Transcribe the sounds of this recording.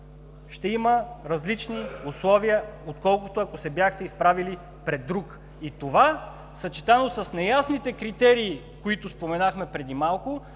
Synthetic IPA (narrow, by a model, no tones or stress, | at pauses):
ʃt̪ɛiməɾɐzlit͡ʃniuslˠɔvijəot̪kɔlˠkʊt̪oɐkosɛbjaxt̪ɛispɾavili | pɾɛd̪ːɾuk | it̪ova | sɐt͡ʃi̥t̪anosɐsnɛjasnit̪ɛkɾit̪ɛɾiː | koit̪ʊspomɛnaxmɛpɾɛd̪imalˠkʊ